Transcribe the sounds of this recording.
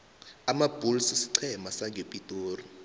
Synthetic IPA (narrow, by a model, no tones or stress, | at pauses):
amab̥ʱulsisi̥ǀʰɛmasaŋɡʱepʼitʼoːri